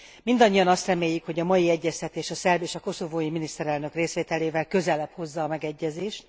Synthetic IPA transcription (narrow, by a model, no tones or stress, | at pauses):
mind̪ɒɲːijɒnɒst̪rɛmeːjykho̞ɟɒmɒjiɛɟːɛst̪ɛt̪eːʃɒsɛrbeːʃɒko̞so̞voːjiminist̪ɛɾɛlnø̞kreːsʋeːt̪ɛleːvɛlkø̞zɛlɛpho̞zːɒːmɛɡɛɟːɛzeːʃt̪